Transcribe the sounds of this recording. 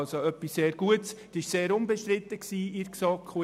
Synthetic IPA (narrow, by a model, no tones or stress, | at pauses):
lsoœpːisseːɾɡ̥uəts | ɪʃseːɾʊmbɛʃt̪ɾɪt̪ːəksiːiɾksɑkʰχu